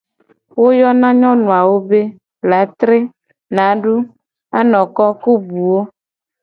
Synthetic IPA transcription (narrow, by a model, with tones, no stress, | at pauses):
wo˦jɔ˦nã˦ɲɔ̃˦nũ˨a˨wo˦be˦ | la˨˦t̪ɾe˦ | nã˨˦ɖu˦ | a˦nɔ̃˨kɔ˦ku˦bu˨wo˦